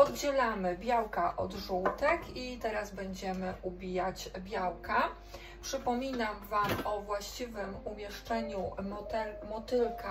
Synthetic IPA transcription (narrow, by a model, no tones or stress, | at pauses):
ɔd̪ɡd͡ʑɛlamɘbʲjawkaʔɔ̰d̪ʐuwt̪ɛkit̪ɛɾazbɛɲd͡ʑɛmɘʔubʲijat͡ɕbʲjawka | pʂɘpɔmʲinamvamɔvwaɕt͡ɕivɘmumʲjɛʂt͡ʂɛɲut̪ɛmɔt̪ɘlka